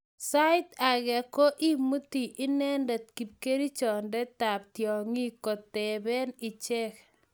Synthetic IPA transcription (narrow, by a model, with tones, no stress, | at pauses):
sa˦ɪ˦t̪a˨ɣɛ˨ko˦ʔi˦mu˦ti˨ʔɪ˦nɛ˦ndɛ˨t̪̚ki˨p̚ke˦ɾi˦t͡ʃɔ˨ndɛ˦ta˨p̚tjɔ˨ŋi˦ko˨t̪ːɛ˨bɛ˦nɪ˨t͡ʃɛ˦k